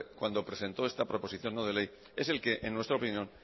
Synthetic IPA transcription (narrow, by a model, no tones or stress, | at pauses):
kwand̪o̞pɾe̞se̞nt̪o̞est̪apɾo̞po̞siθjo̞nːoð̞e̞lej | e̞se̞lke̞ʔḛnːwe̞st̪ɾaopinjõ̞n